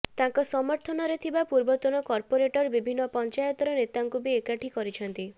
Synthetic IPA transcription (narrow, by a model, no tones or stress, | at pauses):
t̪ãŋkɔsɔmɔɾt̪ʰɔnɔɾet̪ʰibapuɾbɔt̪ɔnɔkɔɾpoɾeʈɔɾbibʱinːɔpɔnt͡ʃajɔt̪ɔɾɔnet̪aŋkubiekaʈʰikɔɾit͡ʃʰɔnt̪i